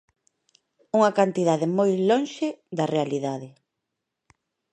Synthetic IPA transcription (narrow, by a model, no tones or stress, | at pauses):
uŋɐkant̪iðaðɪmojlonʃeðɐrealiðaðɪ